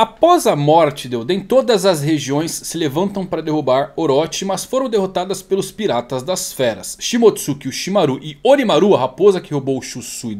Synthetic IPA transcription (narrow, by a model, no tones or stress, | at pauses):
apɔzɐmɔɾt͡ʃɪd̪ewd̪ẽj̃t̪od̪ɐzɐsheʒiõj̃sːɪlevɐ̃nt̪ɐ̃w̃pɾɐd̪eɦubaɾoɾɔt͡ʃɪmɐsfoɾɐ̃w̃d̪eɦot̪ad̪ɐspelʊspiɾat̪ɐzd̪ɐsfɛɾɐsʃimot̪sukɪʊʃimaɾuʔɪonimaɾuɐɦapozɐkɪhobowʃusujd̪